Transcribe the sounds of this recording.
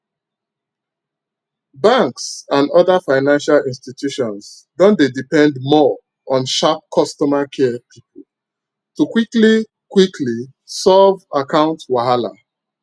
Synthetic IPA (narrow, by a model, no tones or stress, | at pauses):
bãŋksãndɔðafaɪnãnʃalĩnstitʰjuʃɔ̃ns | dɔ̃ndedipɛ̃ndmɔ | ʔɔ̃nʃap̚kʰɔstɔmakʰɛpʰipul̩ | tukwikli | kwikʰli | sɔvakãʊ̃ntwaɦala̰